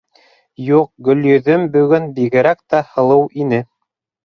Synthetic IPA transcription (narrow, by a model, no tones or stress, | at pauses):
juq̚ɡɵ̆ljɵ̆ðɵmbɵ̆ɡɵnbiɣɘ̆ɾækt̪æhɤ̆lˠɤwʔinɘ